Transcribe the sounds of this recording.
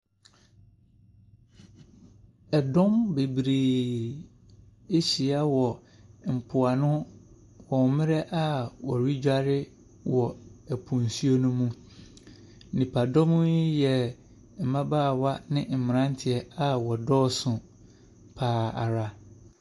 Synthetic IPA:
ɛ˨dɔ̃˦mbe˨bɾeː˨ | e˦ɕi˨a˦wɔ˨ | m̩˨pʰʊ˨a˨nʊ̃˦ | wɔ̃˨wmɪ̃˦ɾɛ˦ʔa˦˨wɔ˨ɥi˦d͡ʑᶣa˦ɾɪ˦ | wɔ˨ɛ˨pʰũ˨n˨su˦o˦nũ˦mũ˦˨ | nĩ˨pʰa˨dɔ̃˦mʊ̃˦jɛ˨ | m̩˨mã˦baː˦˨wa˦nɪ̃˦m̩˨mɪ̃˨ɾã˦n̩˦tʰɪ˨ɛ˨a˦wɔ˨dɔː˦˨sʊ̃˨ | pʰaː˨a̰˨ɾa˦

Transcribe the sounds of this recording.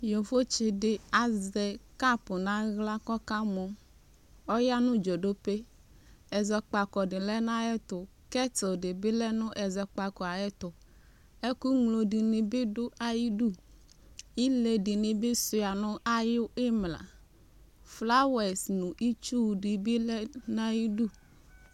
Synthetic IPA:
jo˨fo˦t͡ʃɪ˨dɪ˨a˨zɛ˨ka˦pʊ˨nã˦ɣla˦kɔ˦ka˦mɔ˨ | ɔ˦ja˦nʊ̃˦d͡ʒo˨do˦pe˦ | ɛ˨zɛ˨k͡pa˨kɔ˨dɪ˨lɛ˦nã˦jɛ˦t̪ʊ˨ | kɛ˦to˨dɪ˨bɪ˦lɛ˦nʊ̃˦ʔɛ˨zɛ˨k͡pa˨kɔ˨a˨jɛ˦t̪ʊ˨ | ɛ˦ku˦ŋlo˨di˨nɪ̃˨bɪ˦dʊ˦ʔa˨ji˦du˦ | i˦le˨dɪ˨nɪ˨bɪ˦sʊ˨a˨nʊ̃˦ʔa˦jʊ˦ɪ˦mla̰˨ | fla˦wɛ˨snʊ̃˨ʔi˦t͡ʃu˦˨dɪ˨bɪ˦lɛ˦nã˦ji˦du˦

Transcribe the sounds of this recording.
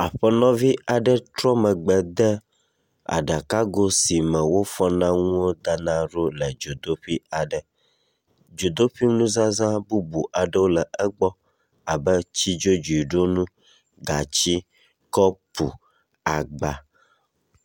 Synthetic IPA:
a˨ɸə˦nɔ̃˦vi˦a˨ɖə˦t̪ɾɔ˦mə̃˨ɡ͡bɛ˨d̪ə˦ | a̰˨ɖa˨ka˦ɡo˦si˨mə˨wo˦fɔ˦nã˦ŋũ˦o˦d̪a˦nã˦ɖo˦lə˨d͡ʒo˨d̪o˦ɸi˦a˨ɖə˨ | d͡ʒo˨d̪o˦ɸi˦nũ˦zã˦zã˦bu˦bu˨ʔa˨ɖə˦wo˦lə˨ə˦ɡ͡bɔ˦ | a˨bə˦t͡ɕi˦d͡ʒo˦d͡ʒu˨i˨ɖo˦nũ˦ | ɡa˨t͡ɕi˦ | kɔ˦pṵ˨ | a˨ɡ͡ba˨

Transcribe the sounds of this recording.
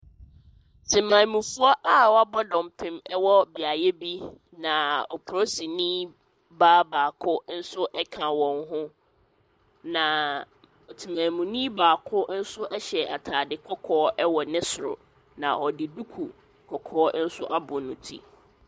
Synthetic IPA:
tʰɪ̃˨mã˨mũ˨fʊ˦ɔ˦ʔa˦˨wɔ˦a˦bɔ˦dɔ̃˨m˨pʰɪ̃˨mɛ˦wɔ˦bi˨a˨jɛ˦bi˦ | nã˨ɔ˨pʰʊ˨ɾo˦si˨nĩ˦ | baː˦baː˨kʰʊ˦n̩˦sʊ˦ʔɛ˦kʰã˨wɔ̃˨ŋɦʊ̃˦ | nã˨ | ɔ˨tʰi˨mã˨mũ˨nĩ˦baː˨kʰʊ˦n̩˦sʊ˦ʔɛ˦ɕɛ˨a˨tʰaː˨dɪ˨kʰɔ˦kʰɔː˦ʔɛ˦wɔ˨nɪ̃˦sʊ˨ɾʊ̰˨ | nã˨ʔɔ˨dɪ˨du˦kʰu˨ | kʰɔ˨kʰɔː˦n̩˦sʊ˦ʔa˦bʊ˨nʊ̃˨tʰḭ˦

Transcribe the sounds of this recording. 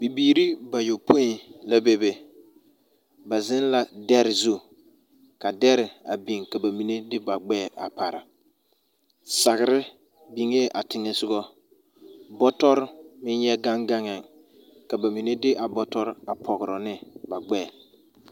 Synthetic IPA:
bi˨biː˨ɾi˦ba˨jo˨pʰo˦i˨la˦be˦be˨ | ba˨zɪ˦n˦la˨dɛ˦ɾɪ˨zu˦ | ka˨dɛ˦ɾɪ˨a˨bi˨ŋka˨ba˨mi˨ne˦dɪ˦ba˨ɡ͡bɛː˦˨a̰˨pa˨ɾa̰˨ | sa˨ɣɪ˨ɾɪ˦ | bi˨ŋe˦ʔa˨tɪ˦ŋɛ˦sʊ˦ɡɔ˦ | bɔ˦tɔ˦ɾmɪ˦njɛ˦ɡa˦ŋɡa˦ŋɛ˨ŋ | ka˨ba˨mi˨ne˦dɪ˦ʔa˨bɔ˦tɔ˦ɾa˨pʰɔ˨ɣɪ˨ɾɔ˨nɪ˦ba˨ɡ͡bɛː˦˨

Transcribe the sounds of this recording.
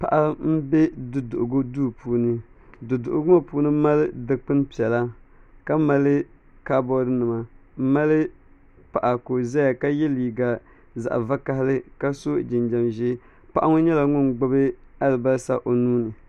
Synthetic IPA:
pa̰˨ʔa˦m̩˦bɛ˦dʊ˨dʊ˨ʔʊ˨ɡʊ˦duː˦˨puː˨˦nɨ˦dʊ˨dʊ˨ʔʊ˨ɡʊ˦a˨puː˦nɨ˦ma˦lɨ˦dɨ˨k͡pɨ˦n˦pi˨ɛ˨la˦ka˦ma˦lɨ˦ | ka˦bɔ˦ɾɨ˦nɨ˨ma˨˦ma˦lɨ˦ | pa˨ʔa˨ko˨za˦ja˨ka˦jɛ˦liː˨ɡa˨ | za̰˨ʔva˦ka˦hɪ˦lɨ˦ka˦so˦d͡ʒɪ˨nd͡ʒa˨mʒɛ˦ | pa˨˦ʔa˦ŋʊ˦ɲɛ˦la˨ŋʊ˦nɡ͡bo˦bɨ˦a˦lɨ˨ba˦sa̰˦ʔo˨nuː˦nɨ˨

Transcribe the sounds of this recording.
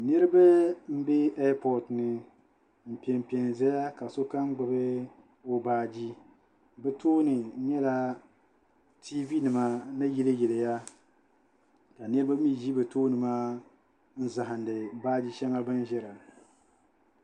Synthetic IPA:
nɨ˦ɾɨ˦ba˦m̩˦bɛ˦a˦pʰɔ˨dnɨ˨ | m̩˨pi˨ɛ˨m˨pi˨ɛ˨ŋ˨za˦ja˦ka˨so˦ka˦m˦ɡ͡bɨ˨bɨ˦ | o˦baː˦˨d͡ʒi˦ | bɛ˦toː˦nɨ˨˦ɲɛ˦la˦ | tʰi˦vi˦nɨ˨ma˦nɨ˦ji˦lɨ˦jɛ˨lɨ˨ja˦ | ka˨nɨ˦ɾɨ˦ba˦mi˦ʒi˦bɨ˨toː˦nɨ˨ma˦ | n̩˦za˨ɦa˨n˨dɨ˨baː˦d͡ʒi˦ʃɛ˦ŋa˦bɨ˦n˦ʒɛ˦ɾa˨

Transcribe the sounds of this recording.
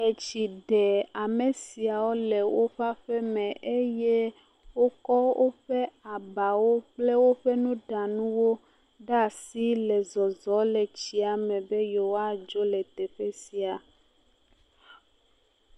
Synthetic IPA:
e˨t͡ʃi˨ɖɛ˨a˨me˨si˨a˨wo˦lɛ˨wo˦ɸa˦ɸɛ˦mɛ̃˨ʔe˦je˦ | wo˦kɔ˦wo˦ɸɛ˦a˨ba˨wo˦k͡ple˦wo˦ɸe˦nũ˦ɖa˨nũ˦wo˦ | ɖa˦˨si˦lɛ˨zɔ˨zɔ˨˦le˨t͡ɕi˦a˨mɛ̃˨be˦jo˨wo˦a˦˨d͡ʒo˦lɛ˨t̪e˨ɸe˦si˨a˨

